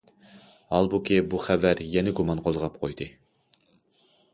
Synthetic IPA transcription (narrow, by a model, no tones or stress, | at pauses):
ɑlˠbukʲibuχævæɾjɛnɪɡumɑnqʰolzʁɑp̚qʰojd̪ɨ